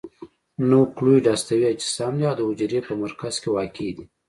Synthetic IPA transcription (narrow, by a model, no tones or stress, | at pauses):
nokluɖast̪awiad͡ʒɪ̥sɑmd̪iawd̪əʊd͡ʒɾepəmaɾkaz̥kewɑkʰed̪i